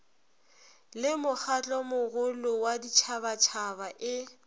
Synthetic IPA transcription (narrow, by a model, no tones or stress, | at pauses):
lɪmʊk͡xʰat͡ɬʼɔmʊɣʊlʊwadit͡ʃʰabat͡ʃʰabaʔɪ